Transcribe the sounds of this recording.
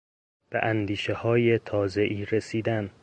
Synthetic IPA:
b̥ḛʔænd̪iːʃehɒːje̞t̪ʰɒːze̞ʔiːɾesiːd̪æn

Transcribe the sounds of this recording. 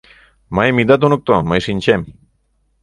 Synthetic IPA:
majmit̪at̪unuk̚t̪omajsinʲt͡ʃem

